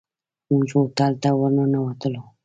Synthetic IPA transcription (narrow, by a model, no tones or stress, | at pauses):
uŋt͡ʃot̪alt̪awəɾnanawat̪əlo